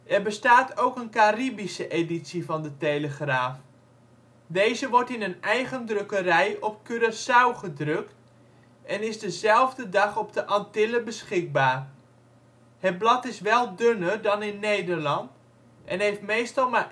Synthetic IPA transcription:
ʔɛrbəstaːtowkənkaribisəʔeditsivɑndətejləχraːf | dejzəʋɔɹtɪnənɛjɣəndrøkərɛjʔɔp̚kyɾəsawχədrøkt | ʔɛnɪzdəzɛlˠvdədɑχɔbdəʔɑntɪləbəsχɪɡ̚baːr | hət̚blɑtɪsʋɛlˠdønərdɑnɪnːejdərlɑnt | ɛnɦejftmejstɑlˠma

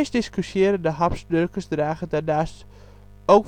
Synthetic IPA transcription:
sdɪskysjɪːɾəndəɦɑpsdørkəsdraːχədɛndaːst | owk

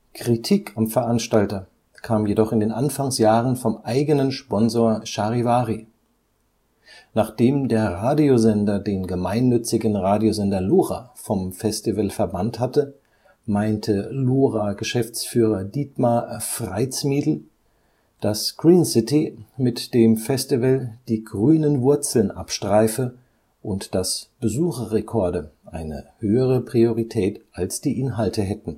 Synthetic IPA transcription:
kʁ̥itʰiːkʰamfɛɐʔanʃtaltɐ | kʰaːmjedɔχɪndeːnʔanfaŋsjaːʁənfɔmʔaɪɡənənʃpɔnzoːɐʃaʁivaːʁi | naːχd̥eːmdeːɐʁaːdiozɛndɐdeːnɡəmaɪnːʏt͡sɪɡn̩ʁaːdiozɛndɐloːʁafɔmfɛstivəlfɛɐbanthatə | maɪntʰəloːʁaɡəʃɛft͡sfyːʁɐdiːtmafʁ̥aɪt͡smiːdl̩ | d̥asɡ̥ʁiːnsɪtimɪtd̥eːmfɛstivəld̥iːɡʁyːnənvʊɐt͡sl̩nʔa̰pʃtʁ̥aɪfə | ʔʊntd̥asb̥əzuːχɐʁekʰɔɐdəʔaɪnə̰høːəʁ̞əpʁ̥ioʁitʰɛːtʔalsd̥iːʔɪnɦaltəɦɛtn̩

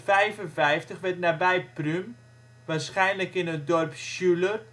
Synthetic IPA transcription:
fɛjvənfɛjftəχʋɛtnabɛjprym | ʋaːrsχɛjnləkɪnət̚dɔrpʃylə

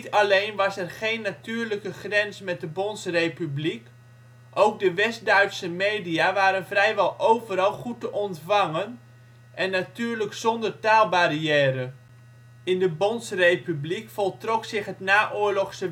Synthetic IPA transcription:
tɑlejnʋɑsɛrχejnːatyːɹləkəχrɛnsmɛt̚dəbɔnsrejpyblik | ʔowɡ̚dəʋɛstdœɥtsəmejdijaʋaːɾənvrɛjʋɛlˠʔowvəɾɑlˠχutəʔɔntfɑŋən | ʔɛnːatyːɹləksɔndərtaːlˠbariɛːɾə | ɪndəbɔnsrejpyblikfɔlˠtrɔksɪχɦətnaːʔʊːɹlɔχsə

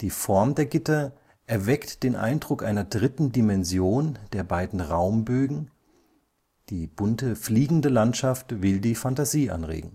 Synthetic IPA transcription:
d̥iːfɔɐmdeːɐɡɪtɐ | ʔɛɐvɛktd̥eːnʔa̰ɪndʁʊkʔa̰ɪnɐdʁɪtn̩dimɛnzjoːnd̥eːɐbaɪdn̩ʁaʊmbøːɡŋ̩ | d̥iːb̥ʊntəfliːɡŋ̩dəlantʃaftv̥ɪldiːfantaziːʔa̰nʁḛːɡŋ̩

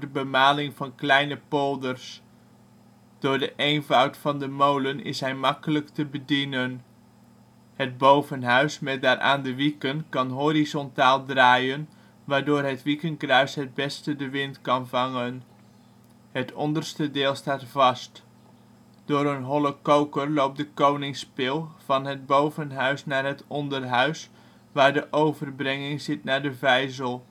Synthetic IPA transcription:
dəbəmaːlɪŋvɑnklɛjnəpolˠdərs | d̥ʊːɹdəʔejnvɑwtfɑndəmowlənɪ̰sɦɛjmɑkələktəbədinən | həd̚bowvənɦœɥsmɛt̚daːrʔa̰ːndəʋikənkɑnɦorizɔntaːlˠdraːjən | ʋaːɹdoːrɦətʋikənkrœɥsɦəd̚bɛstədəʋɪntkɑnvɑŋən | ətʰɔndərstədɪːlˠstaːtfɑst | d̥oːɾənɦɔləkowkərlowp̚dəkownɪŋspɪlˠv̥ɑnɦəd̚bowvənɦœɥsnaːrɦətɔndərɦœɥs | ʋaːɹdəʔowvərbrɪŋɪŋzɪtnaːɹdəvɛjzəlˠ

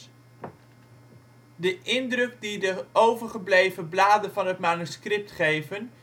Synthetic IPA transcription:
dəʔɪndrɵk̚didəowvəɹχəblejvəblaːdənvɑnɦətmaːnyskrɪp̚tχejvən

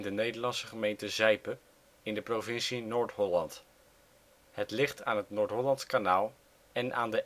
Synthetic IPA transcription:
ndənejdəɹlɑnsəχəmejntəzɛjpə | ɪndəprovɪnsinoːɹtɦɔlɑnt | hətlɪχtaːnɦətnoːɹtɦɔlɑntskanaːlˠ | ɛnʔa̰ːndə

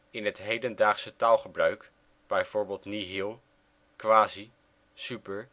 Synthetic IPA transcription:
ɪnɦətɦejdəndaːχsətaːlˠχəbrœɥk | b̥ɛjv̥ʊːɹbeːlˠtniɦɪlˠ | kʋaːzi | sypəɹ

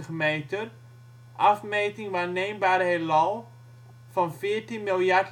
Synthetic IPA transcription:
əχmeːtər | ʔafmeːtɪŋʋaːrneːmbaːɾəɦelɔlˠ | fɔnfɪərtinmɪlˠjak

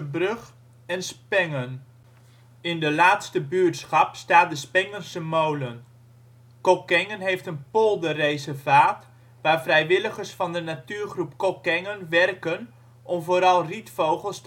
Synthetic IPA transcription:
əbrøχ | ɛnspɛŋən | ɪndəlaːtstəbyːɹtsχɑpstaːt̚dəspɛŋənsəmowlən | kokɛŋənɦejftənpolˠdərejzəvaːt | ʋaːrvrɛjʋɪləχəɹsfɑndənatyːɹχrupkokɛŋənʋɛrkən | ʔɔmvoːɾɑlˠritfowχəlˠst

